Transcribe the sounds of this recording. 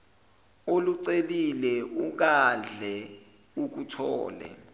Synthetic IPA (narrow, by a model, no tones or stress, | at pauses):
oluǀelilɛʔuk̬aɮʱɛ | uk̬utʰɔ̰ːlɛ̰